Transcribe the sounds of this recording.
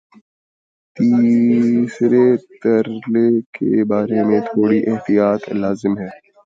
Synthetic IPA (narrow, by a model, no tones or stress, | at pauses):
t̪iːsɾet̪ɐɾlekḛbaːɾemẽt̪ʰoːɽiʔɪɦt̪ijaːt̪laːzɪmɦɛː